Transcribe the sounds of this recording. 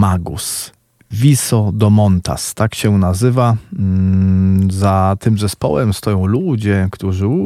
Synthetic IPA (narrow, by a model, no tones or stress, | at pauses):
maɡṵs | vʲisɔd̪ɔmɔnt̪a̰st̪akɕɛnazɘva | zat̪ɘmzɛspɔ̰wɛmst̪ɔjɔ̃w̃lud͡ʑɛkt̪uʐɘ